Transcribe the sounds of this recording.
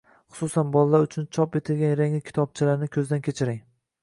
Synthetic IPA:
χʊ̥susanbɒlˠːaɾʊt͡ʃʰʊnt͡ʃʰɒpe̞t̪ʰɪlɡʲanɾeŋɪkʲʰɪ̥t̪ʰɒb̚t͡ʃʰɪlaɾnɪkʲʰɵzd̪ankʲʰet͡ʃʰɪɾɪŋ

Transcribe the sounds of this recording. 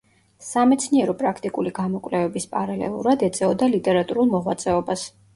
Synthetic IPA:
samɛt̪sʰniɛɾɔpʼɾakʰt̪ʼikʼuliɡamɔkʼvlɛvɛbispʼaɾalɛ̰lˠṵɾad̪ɛt̪sʼɛɔd̪alit̪ʼɛɾat̪ʼuɾulˠmɔʁwat̪sʼɛɔbas

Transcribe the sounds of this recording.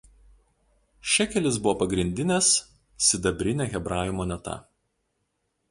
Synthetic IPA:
ʃʲɛkʲɛlʲɪs̬bʊʋoːpɐɡɾʲɪnʲd̪ʲɪnʲɛs | sʲɪd̪ɐbʲɾʲɪnʲɛːɣʲɛbɾɑːjʲɪmoːnʲɛt̪ɐ̰

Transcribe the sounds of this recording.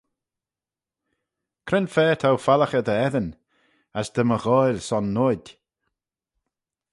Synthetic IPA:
kʰɾɪnfɛːt̪ʰawfaləxəd̪əɛðən | əsd̪əməɣɔjlsɔnːodʲ

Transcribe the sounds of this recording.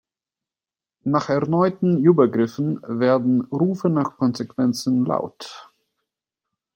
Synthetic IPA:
naːχɛɐnɔʏtn̩yːbɐɡʁɪfn̩veːɐdn̩ʁuːfənaːχkʰɔnzekv̥ɛnt͡sn̩la̰ʊt

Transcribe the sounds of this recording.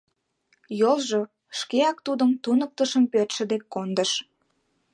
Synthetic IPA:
jolˠʒo | ʃkeɑk̚t̪ud̪əmt̪unək̚t̪əʃəmpøt̪ʃə̆d̪ekːond̪əʃ

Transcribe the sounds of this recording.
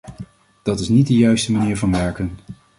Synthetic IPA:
d̥ɑtɪsnit̚dəjœɥstəmaniːɹvɑnʋɛɹkən

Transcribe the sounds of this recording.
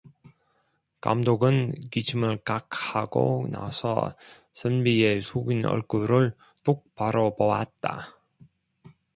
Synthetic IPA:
ka̰mdoɡɯnkit͡ɕʰɯmɯɭkakʰaɡo̰na̰sʰʌ̰ | sʰɯnbiesʰoɡinʌ̰ɭk͈uɾɯɭ | t͈ok̚paɾʌpʌwa̰t̚t͈a̰

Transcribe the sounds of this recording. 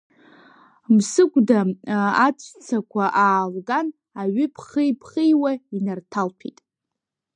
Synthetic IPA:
msɨkʷʼdaat͡sʷʰt͡sʰakʷʰaʔaːlɡan | aɥʏpʰχijpʰχijwainartʰalpʰḭtʼ

